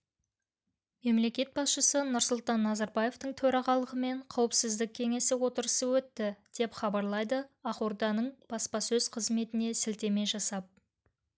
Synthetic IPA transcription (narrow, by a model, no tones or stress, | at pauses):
me̞mle̞kʲe̞t̪̚bɑsʃəsənʊɾsʊlˠt̪ɑnːɑzɑɾbɑje̞ft̪əɴt̪ʰɵɾɑʁɑlˠəʁəme̞ɴqʰɑwəpsɪzd̪ɪk̚ʲʰe̞ŋe̞sɪwo̞t̪əɾəsəwɵt̪ːɪd̪̥e̞pχɑbɑɾlˠɑjd̪əɑquɾd̪ɑnəɴb̥ɑspɑsɵzqʰəzme̞t̪ɪne̞sɪlt̪e̞me̞ʒɑsɑp̚